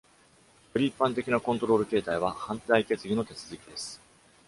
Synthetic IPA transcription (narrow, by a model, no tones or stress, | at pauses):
pɯ̟ɾʲipːãnt̪̬e̞kʲinakõnt̪o̞ɾo̞ːɾɯ̟ke̞ːt̪aiβ̞ahãnt̪aike̞t͡sɨɡʲino̞t̪e̞t͡sɨzɨkʲid̪e̞sɨ̥